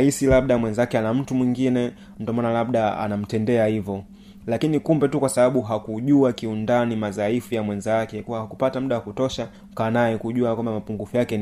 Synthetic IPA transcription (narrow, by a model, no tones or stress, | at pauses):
isilaɓ̚ɗamwɛnzakɛanam̩tumwiŋɡinɛ | ndɔmanalabɗaa̰nam̩tɛndɛahivɔ | lakinikumbɛtukwasaɓaɓuɦakuʄuakiundanimazaifujamwɛnzakɛkuwahakupatamuɗawakutɔʃa | kanajɛkuʄuakwambamapuŋɡufujakɛ